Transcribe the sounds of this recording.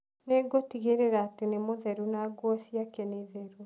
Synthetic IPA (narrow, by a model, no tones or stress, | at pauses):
neɡotiɣeɾeɾaːtenemoðɛɾunaːɡwɔsiakɛneðɛɾu